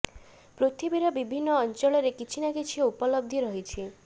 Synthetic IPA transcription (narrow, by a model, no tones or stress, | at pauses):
pɾot̪ʰibiɾɔbibʱinːɔːnt͡ʃɔɭɔɾekit͡ʃʰinakit͡ʃʰieupɔlɔb̚d̪ʱiɾɔɦit͡ʃʰi